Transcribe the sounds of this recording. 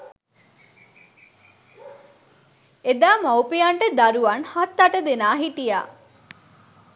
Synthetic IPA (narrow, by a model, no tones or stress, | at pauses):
ed̪aːmawpejaɳʈəd̪aɾuʋanhat̪ːaʈəd̪enaːɦiʈija̰ː